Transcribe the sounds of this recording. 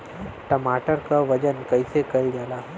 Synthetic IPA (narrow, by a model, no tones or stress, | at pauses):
ʈɐmaːʈəɾkaʋɐd͡ʒənkɐisekɐld͡ʒaːlaɦɛ